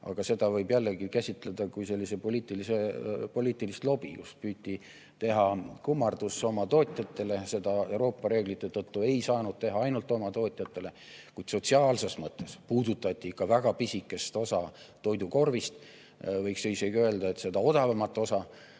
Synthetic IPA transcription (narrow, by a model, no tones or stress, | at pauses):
ɑ̰ɡ̥ɑse̞d̪̥ɑvɤjbjælːe̞ɡikæsʲit̪ˑle̞d̪̥ɑkujse̞lʲːise̞po̞lʲiːt̪ːˑilise̞po̞lʲiːt̪ːˑilist̪lo̞b̥ijṵspyːt̪ʲːˑi | t̪e̞ɦɑkumːɑrd̪̥usːo̞mɑt̪o̞ːt̪ʲˑjɑt̪ːˑe̞le̞se̞d̪ɑe̞wɾo̞ːpːˑɑɾe̞ːɡ̥lit̪ːˑe̞t̪ɤt̪ːue̞jsɑːnud̪̥̚t̪e̞ɦɑɑjnult̪ːˑo̞mɑt̪o̞ːt̪ʲˑjɑt̪ːˑe̞le̞ | kujd̪̥so̞t̪ʲsiɑːlse̞smɤt̪ˑːespuːd̪ut̪ːˑɑt̪ʲːˑikːɑvæɡ̥ɑpisʲikːˑe̞st̪o̞sɑ | t̪o̞jd̪uko̞rvist̪ | vɤjksejseɡøeld̪ɑe̞t̪se̞d̪ɑo̞d̪ɑvɑmɑt̪ːˑo̞sɑ